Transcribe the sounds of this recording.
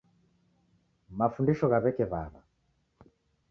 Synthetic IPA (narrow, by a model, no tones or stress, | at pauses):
mafundiʃɔɣaβɛkɛβa̰βa